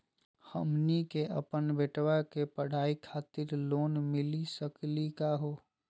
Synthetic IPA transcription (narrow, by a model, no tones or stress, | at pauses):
həmnikeʔə̰pənbeʈwakepəɽ̤aːikʰaːt̪ɪɾloːnmɪlisəklikaɦoː